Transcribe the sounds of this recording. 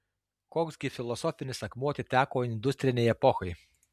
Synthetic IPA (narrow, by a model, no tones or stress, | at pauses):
koːksɡʲɪfʲɪlˠɔsɔfʲɪnʲɪsɐkmuɔt̪ʲɪt̪ʲæːkoːɪnʲd̪ʊsʲt̪ʲɾʲɪnʲɛjɛpɔxɐɪ